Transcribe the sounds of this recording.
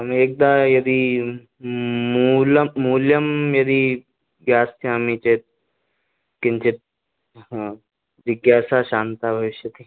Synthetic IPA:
ɐmeːk̚d̪ãːjɐd̪i | mulːuːljɐmjɐd̪i | ɡjaːsjaːmit͡ʃeːt̪̚ | kɪnt͡ʃɪt̪̚ː | ʋɪɡjaːsaʃaːnt̪aːbʱɐʋɪʃjɐt̪ʰi

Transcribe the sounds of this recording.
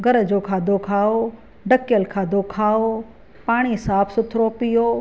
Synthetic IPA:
ɡɐɾd͡ʑoːkʰaːd̪okʰaːo | ɖɐkjəlkʰaːd̪ʱokʰaːo | paːɽ̃isaːpʰsʊt̪ʰɾoːpɪjoː

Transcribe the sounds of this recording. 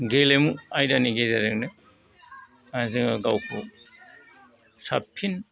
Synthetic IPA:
ɡelemuajdaniɡezaɾɯknɯ | azɯŋaɡawkʰu | sapʰin

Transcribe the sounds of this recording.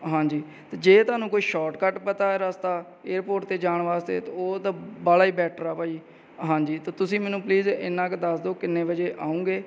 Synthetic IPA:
ɦãːɲd͡ʒiː | t̪eːd͡ʒeːt̪ʊaːnũːkoːiːʃɔːʈkəʈpət̪aːɛːɾast̪aː | eːɾpoːɾʈ̚t̪eːd͡ʒaːɳʋaːst̪ḛːt̪aoːt̪ãbaːɽaːiːbɛːʈʰəɾaːpaːiː | ɦãːɲd͡ʒiːt̪aːt̪ʊsĩːmɛːnũːpliːzɪ̰nːãːkd̪əsd̪oːkɪnːẽːʋəd͡ʒeːʔaːũːɡeː

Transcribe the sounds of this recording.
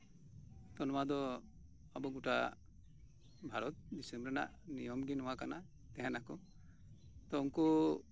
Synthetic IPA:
t̪ɔnɔwad̪ɔ | abɔɡuʈa̰ | bʱaɾɔt̪̚d̪isumbɾɛna̰ʔnijɔmɡinɔwakana | t̪ɛɦanakɔ | t̪ɔuŋkɔ

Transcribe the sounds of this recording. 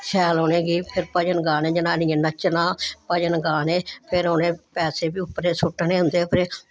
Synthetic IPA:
sʰɛːlɦoːnẽːɡiːpʰɪɾpəd͡ʒənɡaːnẽːd͡ʒɪnãːniẽːnət͡ʃːənãːpəd͡ʒənɡaːneːpʰɪɾoːnẽːpɛːseːbiːʊpːɾeːsʊʈːnẽːɦʊ̃nd̪eːpʰɾeː

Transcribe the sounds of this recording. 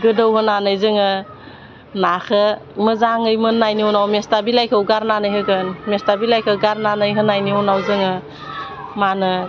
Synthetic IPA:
ɡɯdɯwhɯnanɯjzɯŋɯ | nakʰəməzaŋɯjmɯnːajniɔnawmestabilajkʰɯwɡaɾnanɯjɦɯɡɯnmestabilajkʰɯɡaɾnanɯjɦɯnajniɔnawzɯŋɯ | manɯ

